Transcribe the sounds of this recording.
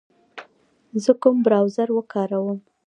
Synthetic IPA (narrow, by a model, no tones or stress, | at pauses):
zəkʊmbɾawzaɾwəkɑɾawəm